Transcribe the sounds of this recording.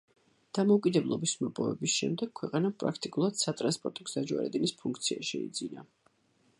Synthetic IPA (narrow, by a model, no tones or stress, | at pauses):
d̪̥amɔukʼid̪ɛblˠɔbismɔpʼɔvɛbisʃɛmd̪ɛɡ̥̚kʰwɛqʼanampʼɾa̰kʰt̪ʼikʼulˠad̪̥sat̪ʼɾanspʼɔɾt̪ʼɔɡzad͡ʒa̰ɾɛ̰d̪inispʰuŋkʰt̪sʰiaʃɛḭd̪zina